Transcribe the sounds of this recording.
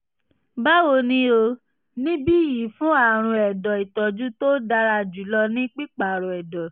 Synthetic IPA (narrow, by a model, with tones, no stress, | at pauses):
ba˦wo˧nĩ˦o˧ | nĩ˦bi˦˨ji˨˦fũ˦a˦˨ɾ̃ũ˧˦ɛ˨dɔ˨i˨tɔ˨d͡ʒu˦to˦da˧ɾa˧d͡ʒu˨˦lɔ˧nĩ˦k͡pi˦k͡pa˨ɾɔ̃˨ɛ˨dɔ˨